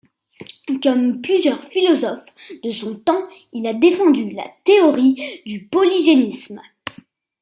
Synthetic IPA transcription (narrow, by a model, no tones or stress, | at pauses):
kɔmplyzjœʁfilɔzɔf | d̪əsɔ̃t̪ɑ̃ | ilad̪efɑ̃d̪yla̰t̪eɔʁid̪ypɔliʒenism